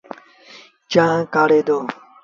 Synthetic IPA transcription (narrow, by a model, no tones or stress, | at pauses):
t͡ʃãːkaːɽeːd̪oː